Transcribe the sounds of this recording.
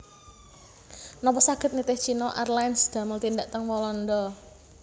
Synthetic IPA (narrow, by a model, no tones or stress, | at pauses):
nɔpɔsaɡ̥ə̤t̪̚nit̪ɪht͡ʃinɔʔarlansd̪̥a̤məlt̪ind̪aʔt̪əŋwɔlɔnd̪ɔ